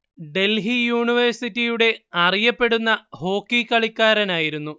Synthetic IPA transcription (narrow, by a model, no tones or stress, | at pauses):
ɖe̞lɦijuːɳiʋɐrsitːijuɽe̞ɐrijɐpːe̞ɽunːɐho̞ːkːikːɐɭikʲːaːɾɐnaːjiɾunːu